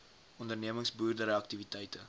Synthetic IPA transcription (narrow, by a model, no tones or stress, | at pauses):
ɔndərniəməŋsbuːrdəɾəɐktivitɛjtə